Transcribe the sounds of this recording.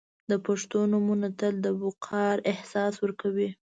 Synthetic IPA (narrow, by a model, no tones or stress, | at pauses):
d̪əpaʂt̪onumunat̪əld̪əbʊqʰɑɾɪhsɑswəɾkawi